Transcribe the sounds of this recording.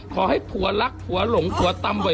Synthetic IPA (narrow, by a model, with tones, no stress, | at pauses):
kʰɔː˨˩˦ha˥˩jpʰu˩˦ɐ˦la˦˥k̚pʰu˩˦ɐ˦lo˨˩˦ŋpʰu˨˩˦ɐ˦t̪a˧mwa˨˩˦